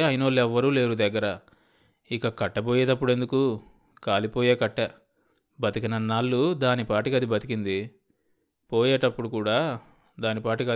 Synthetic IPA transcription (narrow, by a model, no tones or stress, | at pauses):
ɐjnoːlːɛʋːɐɾuːle̞ːɾud̪ɐɡːɐɾɐ | ikɐkɐʈːɐpoːjeːd̪ɐpːuɽe̞nd̪uku | kaːlipoːjeːkɐʈːɐ | bɐt̪ikinɐnːaːlːud̪aːnipaːʈikɐd̪ibɐt̪ikind̪i | poːjeːʈɐpːuɽukuːɽaː | d̪aːnipaːʈikɐ